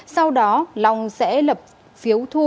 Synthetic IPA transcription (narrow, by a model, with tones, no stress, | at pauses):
sa˧wɗɔ˨˦la˨˩wŋ͡msɛ̰˧˥lə˨˩p̚ | fi˨˦əwt̪ʰu˧